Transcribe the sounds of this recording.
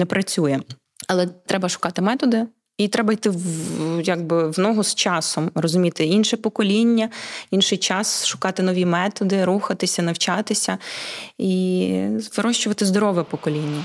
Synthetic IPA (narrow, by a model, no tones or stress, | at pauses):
nɛpɾɐt͡sʲujɛ | ɐlˠɛt̪ɾɛbɐʃʊ̥kɑt̪ɪmɛt̪ɔd̪ɪ | it̪ɾɛbɐjt̪ɪjaɡ̚bɪwnɔɦʊst͡ʃɑsɔmrɔzʊmʲit̪ɪinʃɛpɔkɔlʲinʲːɐinʃɪjt͡ʃɑsʃʊ̥kɑt̪ɪnɔʋʲimɛt̪ɔd̪ɪɾuxɐt̪ɪsʲɐnɐwt͡ʃɑt̪ɪsʲɐ | izʋɪɾɔʃt͡ʃʊʋɐt̪ɪzd̪ɔɾɔʋɛpɔkɔlʲinʲːɐ